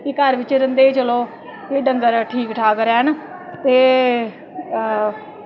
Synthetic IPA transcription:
kikəɾʋɪt͡ʃɾənd̪eːit͡ʃəloː | keɖəŋɡəɾʈʰiːkʈʰaːkəɾɛːənt̪eː

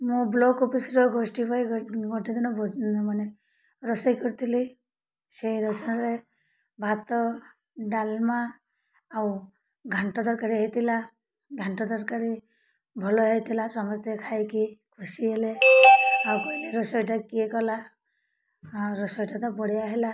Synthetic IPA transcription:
mũblɔkopisɾɔɡosʈipajɡɔʈid̪inɔbʱɔd͡ʒnɔmane | ɾɔsɔjkɔɾit̪ʰili | seiɾɔsɔnɾe | bʱat̪ɔ | ɖalmaː | w | ɡʱaɳʈɔd̪ɔɾkaɾiɦet̪ʰila | ɡʱaɳʈɔd̪ɔɾkaɾi | bʱɔlɔɦet̪ʰilasɔmɔst̪ʰjɔkʰajkikʰusiele | awkɔileɾɔsɔjʈakiekɔla | ɾɔsɔjʈat̪ɔpɔɽijaɦela

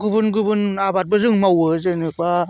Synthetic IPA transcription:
ɡɯbɯnɡɯbɯnabat̚bɯzɯŋmawɯzɯnɯk̚ba

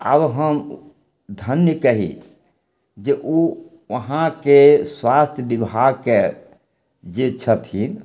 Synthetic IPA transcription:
a̰bɦəm | d̪ʱənjəkəɦḭ | d͡ʒeʔo | ʋəɦãkeswast̪ʰjəbibʱaɡke | d͡ʒet͡ʃʰət̪ɦin

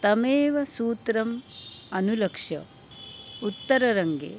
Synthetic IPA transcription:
t̪ɐmeːʋɐsuːt̪ɾɐmɐnulɐkʂjɐ̰ | ut̪ːɐɾɐɾɐŋɡḛː

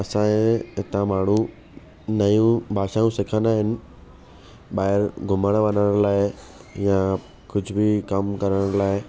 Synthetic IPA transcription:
ɐsãẽɦɪt̪ãmaːɳ̤ũ | nɐjũbʱaːʃaːjũsɪkʰə̃nd̪aːɦɪnɪ̆ | ɓaːɦɪɾɡʱʊməɽ̃ʋɐnəɽ̃laːɪ | jã | kʊd͡ʑʱʊbɪkɐmkɐɾəɽ̃laːɪ

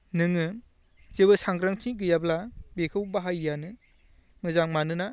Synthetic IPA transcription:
nɯŋɯ | zebɯsaŋɡɾaŋtʰiɡɯjablabekʰɯwbaɦajːanɯ | mɯzaŋmanɯna

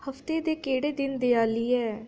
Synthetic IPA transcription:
həfʰt̪eːd̪eːkeːɽeːd̪ɪnd̪eːaːliːɛː

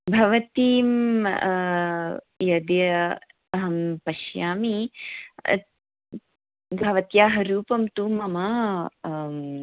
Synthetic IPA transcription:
bʱɐʋɐt̪iːm | jɐd̪jɐ | ɐɦɐmpɐʃjaːmi | bʱɐʋɐt̪jaːɦɐɾuːpɐmt̪uːmɐmɐ

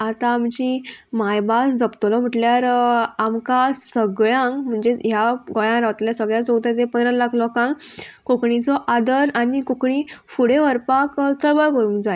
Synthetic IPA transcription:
at̪ãːmt͡ɕimajbasd͡zəpt̪lɔm̤əʈljaɾamkasəɡɭjãŋkm̤əɳd͡zeɦjaɡɔjãɾaʋt̪ljasəɡɭjat͡sɔwt̪at̪epənd̪ɾalakʰlɔkãŋkokɳit͡sɔʔad̪əɾanikokɳifuɽeʋəɾpakt͡səɭʋəɭkəɾũːŋkd͡zae

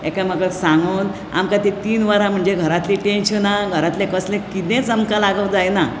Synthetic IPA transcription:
ḛkaməɡəksãŋɡən | a̰mkat̪et̪iːnʋəɾãm̤əɳd͡zeɡʱəɾat̪leʈẽnɕənaɡʱəɾat̪lẽkəslẽkit̪ẽt͡səmkalaɡəwd͡zajna

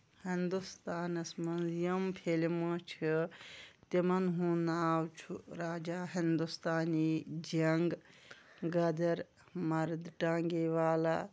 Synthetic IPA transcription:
hind̪ust̪aːnɐsmɐnzijɐmpʰelimot͡ʃʰi | t̪imɐnɦũnaːwt͡ʃʰuɾaːd͡ʒaːɦind̪ust̪aːnid͡ʒɐŋɡ | ɡɐd̪ɐɾ | mɐɾd̪ʈaːŋɡeʋaːla

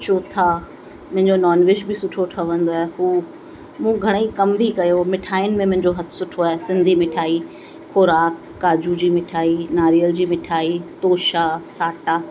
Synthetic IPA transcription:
t͡ɕoːt̪ʰa | mʊ̃ɦɪ̃ɲd͡ʑonɔːnʋɪʃbɪsʊʈʰoʈʰəʋɐ̃n̆d̪oaːɦeɦuː | mũːɡʱɐɽ̃ikɐmbʱikɐjomɪʈʰaːɪnɪ̆mẽmʊ̃ɦɪ̃ɲd͡ʑoɦɐt̪ʰʊ̥sʊʈʰoaːɦesɪ̃nd̪ʱimɪʈʰaːi | xoːɾaːkːaːd͡ʑud͡ʑiːmɪʈʰaːinaːɾijəld͡ʑiːmɪʈʰaːit̪oːʃasaːʈaː

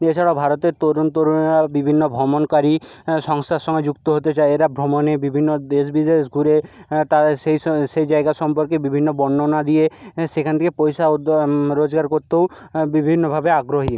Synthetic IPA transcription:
et͡ʃʰaɽabʱaɾot̪eɾt̪ɔd̪ont̪oɾabibʱinːobʱɔmonkaɾi | ʃɔŋst̪ʰaʃɔŋɡed͡ʑukt̪oɦot̪et͡ɕaeeɾabʱɾomonebibʱinːod̪esbid͡ʒnesɡʱuɾet̪aseʃejd͡ʒaeɡaʃɔmpɔɾkebibʱinːobɔnːonad̪iesekʰant̪ʰekepojsadɾod͡ʒɡaɾkoɾt̪ew | bibʱinːobʱabeaɡɾoɦi

